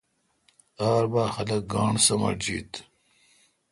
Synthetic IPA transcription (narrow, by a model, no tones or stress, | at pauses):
aːɾbaːxɐlɐk̚ɡɑːɳsɐmɐ̰d͡ʑḭːt̪